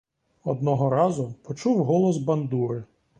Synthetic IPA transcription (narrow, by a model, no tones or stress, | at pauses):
ɔd̪nɔɦɔɾɑzʊpɔt͡ʃuwɦɔlˠɔzbɐnd̪uɾɪ